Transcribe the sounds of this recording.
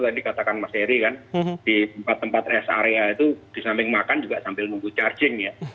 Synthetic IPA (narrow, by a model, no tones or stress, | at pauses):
t̪adikat̪akanmaseɾikand̥it̪əmpat̪ːəmpat̪ɛsa̰ɾeait̪ud̥isampɪŋmakand͡ʒuɡaʔsampɪlnuŋɡut͡ʃard͡ʒɪŋja